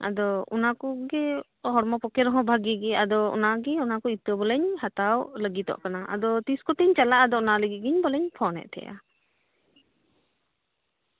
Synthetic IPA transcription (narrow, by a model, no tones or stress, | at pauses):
a̰d̪ɔṵnakɔɡɛ | ɦɔɾmɔpɔkɛɾɔɦɔ̃bʱaɡiɡɛad̪ɔɔ̰naɡɛunakɔit̪əbɔlɛɲhat̪awləɡit̪ɔ̰ʔkanaʔa̰d̪ɔt̪iskɔt̪ɛɲt͡ʃalaʔad̪ɔɔnaləɡiɡiɲbɔlɛɲpʰɔnɛ̰ʔ̚t̪ʰɛ̰ja̰